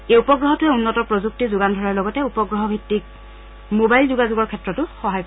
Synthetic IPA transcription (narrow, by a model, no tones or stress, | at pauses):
ejupɔɡɹɔɦɔtʊɛunːɔtɔpɹozuk̚tizʊɡandʱɔɹaɹlɔɡɔtɛupɔɡɹɔɦɔbʱitːik̚ | mobajlzuɡazuɡɔɹkʰɛtɹɔtʊxɔɦajpɔ